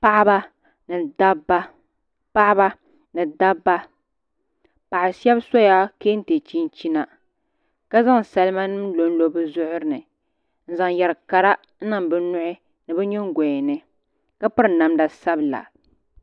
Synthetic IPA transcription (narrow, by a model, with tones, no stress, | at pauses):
pa˦ʔba˦ | nɨ˨da˦bːa˦ | pa˦ʔba˦ | nɨ˨da˦bːa˦ | pa˨ʔɪ˨sɛ˦bsa˦ja˦keː˦n̩˦te˨t͡ʃi˦n˦t͡ʃi˦na˨ | ka˦za˦ŋ˨sa˨lma˦nɨ˦m˦lo˨n˦lo˨bɨ˦zʊ˦ʔʊ˦ɾɨ˦nɨ˨ | n̩˦za˨ŋ˨jɛ˨ɾka˨ɾa˦ | n̩˦na˨m˨bɨ˦nʊ˦ʔɪ˦ | nɨ˨bɛ˦ɲɛ˦ŋ˦ɡʷɛ˨nɨ˦ | ka˦pɨ˦ɾɨ˨na˨mda˨sa˦bɨ˨la̰˨